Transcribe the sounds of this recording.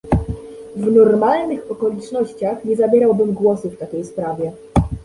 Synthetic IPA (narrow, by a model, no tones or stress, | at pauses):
vnɔɾmalnɘxɔkɔlʲit͡ʂnɔɕt͡ɕaxɲɛzabʲjɛɾawbɘmɡwɔsɘft̪akʲejspɾavʲjɛ